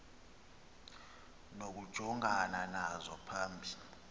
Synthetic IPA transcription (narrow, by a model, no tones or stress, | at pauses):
nok̬ud̥ʒ̥ʱɔŋananazɔpʰaːmbʱi